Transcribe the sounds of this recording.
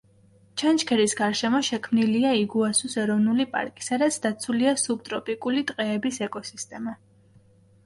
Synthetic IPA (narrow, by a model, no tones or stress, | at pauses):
t͡ʃʰant͡ʃkʰɛɾisɡaɾʃɛmɔʃɛkʰmniliaiɡuasusɛɾɔvnulipʼa̰ɾkʼi̥sad̪at̪sʰd̪at̪sʰuliasub̚t̪ʼɾɔpʼikʼulit̪ʼqʼɛːbisɛkʼɔsist̪ʼɛma